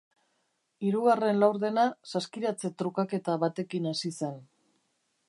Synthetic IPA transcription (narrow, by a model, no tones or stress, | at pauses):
iɾuɣare̞nlawɾðe̞nasaskiɾat͡se̞t̪ɾukake̞t̪aβat̪e̞kinasise̞n